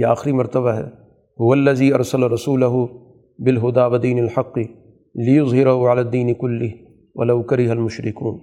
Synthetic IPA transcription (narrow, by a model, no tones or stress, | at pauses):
jiaːxɪɾimɐɾt̪ɐβaɦɛ̰ː | hʊwɐlːɐziːʔɐɾsɐlaɾˤɑsuːlɐɦʊ | bɪlɦʊd̪aːwɐd̪iːnɪlħɑqːɨ | lɪjʊzˤɦɪɾaɦʊʕalaːd̪ːiːnɪkʊlːɪɦ | wɐ̰lɐwkɐɾɪɦalmʊʃɾɪkuːn